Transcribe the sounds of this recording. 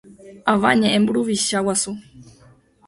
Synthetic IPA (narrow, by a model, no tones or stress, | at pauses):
ava̰ɲɛʔɛmbuɺuviʃawasu